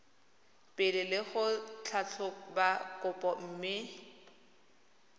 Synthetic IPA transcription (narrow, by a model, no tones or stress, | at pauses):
pʼɪlɪlɪχʊt͡ɬʰat͡ɬʰʊbakʼʊpʼɔm̩ːmɪ